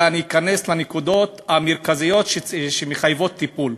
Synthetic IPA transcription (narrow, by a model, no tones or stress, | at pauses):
aniːkaneslenekud̪o̞t̪ameʁkazijo̞t̪ʃeʃemeχajvo̞t̪ːipul